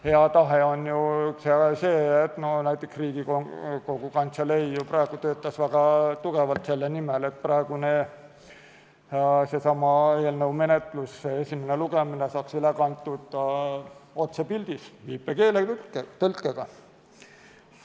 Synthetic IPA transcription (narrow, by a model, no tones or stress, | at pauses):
he̞ɑt̪ɑɦeo̞njusese̞ːet̪ːnonæjt̪ːˑeksriːɡikoko̞ɡ̥ukɑnt̪selejjuprɑeɡ̥ut̪øːt̪ˑːɑsvæɡ̥ɑt̪uɡ̥evɑlt̪se̞lːenimele̞t̪̚prɑeɡ̥une | se̞sɑmɑeːlnəwme̞net̪lusːeesʲimeneluɡeminesɑːksylekɑnt̪ːˑud̪̥ | o̞t̪sepild̪̥isviːpːˑeke̞ːlekːt̪ølkːˑeɡ̥ɑ